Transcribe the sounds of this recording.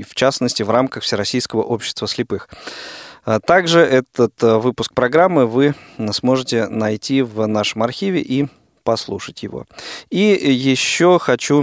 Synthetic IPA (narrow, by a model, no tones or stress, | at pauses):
ft͡ɕasnəsʲtʲɪvramkəxfsʲɪɾɐsʲijskəvəʔo̞pɕːɪ̥st̪vəsʲlʲɪpɨx | t̪aɡʐɨʔɛt̪ət̪vɨpʊsk̚pɾɐɡɾamːɨvɨsmo̞ʐɨtʲɪnɐjtʲivnaʂəmɐrxʲivʲɪ̰ʔi | pɐslˠuʂətʲjɪvo̞̰ijɪɕːoxɐt͡ɕu